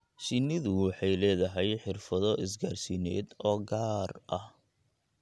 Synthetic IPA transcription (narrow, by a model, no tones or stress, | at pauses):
ʃɪnɪðʊwɑħɑjlɛːðɐɦɛjħɪrfɐðɔɪs̬ɡaːrsiːnɛ̰ːd̪ɔːɡaːrɐh